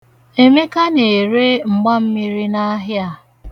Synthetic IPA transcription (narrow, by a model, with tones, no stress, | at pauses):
e˨me˦ka˦ne˨ɾe˦ŋ͡m̩˨ɡ͡ba˦m̩˦mi˦ɾi˦na˦ɦja˨